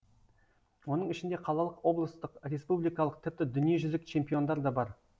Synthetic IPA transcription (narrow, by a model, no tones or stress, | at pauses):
wo̞nəɴɪʃɪnd̪eqʰɑlˠɑlˠəqwo̞blˠəst̪əqɾʲe̞spublˠijkɑlˠəq̚t̪ʰɪp̚t̪ɪd̪ʏnije̞ʒʏzɪkt͡ʃʰe̞mpijo̞nd̪ɑɾd̪ɑbɑɾ